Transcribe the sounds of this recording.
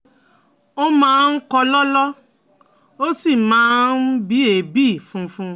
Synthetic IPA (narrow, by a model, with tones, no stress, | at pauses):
o˦mãː˨˦˧n̩˦kɔ˧lɔ˦lɔ˦ | o˦si˦˨mãː˨˦n̩˦bi˨˦e˨bi˦˨fũ˦fũ˦